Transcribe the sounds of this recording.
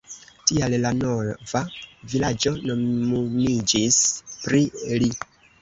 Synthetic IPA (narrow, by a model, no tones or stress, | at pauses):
tiallano̞vavilad͡ʒo̞no̞mid͡ʒispɾili